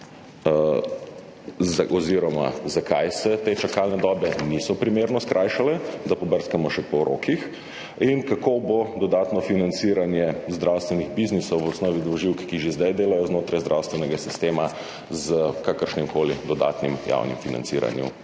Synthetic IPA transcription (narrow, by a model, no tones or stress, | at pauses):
ɔziɾɔma̰zakʰa̰jsɛt̪et͡ʃakalnɛd̪ɔːbɛnisɔpɾimeːɾnɔskɾʔaːjʃalɛd̪apɔbəɾskamɔʃɛpɔɾʔo̰kix | inkakobod̪ɔd̪aːt̪nɔfinant̪siːɾanjɛzd̪ɾawst̪ʋɛniɣbiznisɔwʋɔsnɔːʋid̪ɔʒiwkkiʒezd̪ajd̪eːlajɔznoːt̪ɾajzd̪ɾʔawst̪ʋɛnɛɡasist̪eːma | zəkakəɾʃnimkoːlid̪ɔd̪a̰t̪nimja̰wnḭmfina̰nt̪sḭɾa̰njṵ